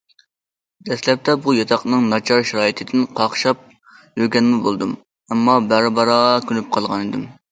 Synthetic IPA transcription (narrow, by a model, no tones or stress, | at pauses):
d̪̥ɛslɛp̚t̪ɛbujɑt̪ʰɑqnɨŋnɑt͡ʃʰɑɾʃɑɾɑːjit̪ʰɪd̪ɪnqʰɑχʃɑp̚ | jøɾɡʲɛnmɪbolˠd̪um | ɛmːɑbæɾbɑɾɑʁɑkʲylyp̚qʰɑlˠʁɑnid̪ɪm